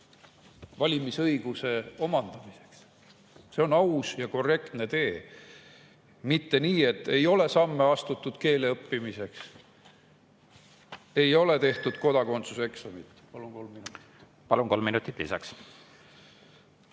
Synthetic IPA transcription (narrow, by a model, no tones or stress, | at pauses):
vɑlʲimisɤjɡ̥use̞o̞mɑnd̪̥ɑmise̞̥ks | se̞o̞nɑusjɑko̞re̞kt̪ne̞t̪e̞ː | mit̪ːe̞niːe̞t̪ːe̞jo̞le̞sɑmːe̞ɑst̪ut̪ːud̪̥ke̞ːle̞ɤpːimise̞ks | e̞jo̞le̞t̪e̞ht̪ud̪̥ko̞d̪ɑko̞nt̪suse̞ksomit̪ˑːpɑlunko̞lmːinut̪i̥ | pɑlunko̞lmːinut̪ːˑit̪ːˑlisɑks